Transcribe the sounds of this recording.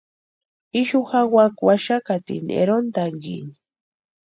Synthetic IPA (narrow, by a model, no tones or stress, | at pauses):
iʃuxawakwaʃakat̪ḭnḛɾont̪aŋɡḭni